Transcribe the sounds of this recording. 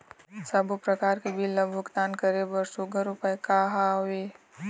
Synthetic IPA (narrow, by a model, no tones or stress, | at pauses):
sɐbpɾɐkaːɾkebʱilːɐbʱʊkt̪aːnkəɾebəɾsuɡəɾʊpəjkaːɦaweː